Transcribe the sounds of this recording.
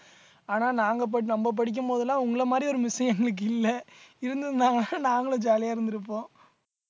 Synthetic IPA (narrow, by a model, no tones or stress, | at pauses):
aːnaːnaːŋɡɐp̬ɐɽnɐmbɐp̬ɐɽɪk̬ʲːɯmpoːðɐlːãːʊŋɡɐɭɐmaːd̪ɾiɔɾɯmɪsɐɛŋɡɐɭɯk̬ːɪlːɐɪɾɯnd̪ɯðnaːŋɡɐlãːnaːŋɡɐɭʊ̃d͡ʒaːlijaːɪɾɯnd̪ɪɾɯpːõː